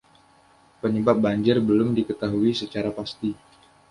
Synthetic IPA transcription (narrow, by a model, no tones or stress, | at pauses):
pəɲəbap̚baɲd͡ʒɪrbəlʊmdikət̪aɦuisət͡ʃaɾapast̪i